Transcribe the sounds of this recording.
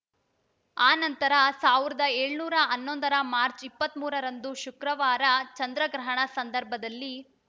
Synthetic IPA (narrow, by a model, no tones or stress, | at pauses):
aːnɐnt̪ɐɾɐsaːʋiɾɐd̪ɐeːɭnuːɾɐɐnːond̪ɐɾɐmaːɾt͡ʃipːɐt̪muːɾɐɾɐnd̪uʃukɾɐʋaːɾɐt͡ʃɐnd̪ɾɐɡɾɐɦɐɳɐsɐnd̪ɐɾbʱɐd̪ɐlːi